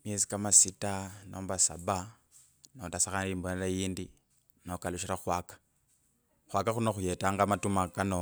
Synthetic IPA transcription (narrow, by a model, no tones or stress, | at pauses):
mjezi̥kamasitanoːmbasa̰ba | notasaxaniːmboneɾajiːndi | nokaluʃiɾaxwakḁ | xwakaxunoxujetaːŋɡamatumakano